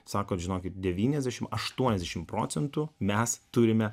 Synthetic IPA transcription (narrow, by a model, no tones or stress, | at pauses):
sɑːkoːt̪ʒʲɪnoːkʲɪt̪̚d̪ʲɛʋʲiːnʲɛzʲd̪ʲæːʃʲɪmɐʃt̪uɔnʲɛzʲd̪ʲɛʃʲɪmpɾo̰ːt͡ssʲɛnt̪ʊmʲɛst̪ʊɾʲɪmʲɛ